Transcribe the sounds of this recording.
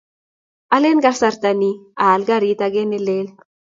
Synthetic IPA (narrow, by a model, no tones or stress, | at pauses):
alenɡasaɾt̪anialɡaɾit̪aɡenelel